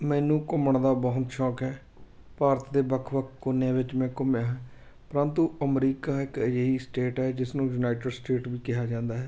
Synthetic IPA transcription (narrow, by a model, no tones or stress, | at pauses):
mɛ̃ːnũːkʊməɳd̪aːbəɦʊt̪ʃɔːkɦɛː | paːɾət̪d̪eːbəkʰʋəkʰkːʊnejãːʋɪt͡ʃmɛ̃ːkʊmjãːɦɛː | pɾə̃nt̪uːəmɾiːkaːɪkjəɦiːsʈeːʈɦɛːd͡ʒɪsnũːjuːnaːɪʈəɖsʈeːʈʋiːkɪɦaːd͡ʒãːnd̪aːɦɛː